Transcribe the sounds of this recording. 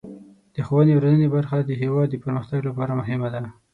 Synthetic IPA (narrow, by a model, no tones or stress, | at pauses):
d̪̥əxowənewɾanənebaɾxad̪əɦewɑd̪ːəpəɾməxt̪aɡlapɑɾamʊɦɪmad̪a